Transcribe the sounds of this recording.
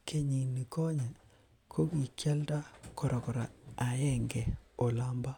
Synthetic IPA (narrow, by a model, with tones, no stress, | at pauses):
kʰe˦ɲi˨ni˨ko˦ɲe˨ | kʰo˦ki˨kja˦lta˦ko˨ɾɔ˨kɔ˨ɾa˨a˨jɛ˦ŋɡɛ˨o˨la˨˦mba˦